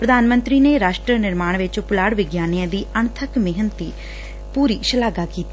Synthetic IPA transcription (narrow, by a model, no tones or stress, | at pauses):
pɾəd̪aːnmə̃nt̪ɾiːneːɾaːʃʈɾənɪɾmaːɳ̃ʋɪt͡ʃpʊlaːɽʋɪɡjaːnijãːd̪iːəɳt̪ʰəkmɪɦənt̪iː | puːɾiːʃəlaːɡaːkiːt̪i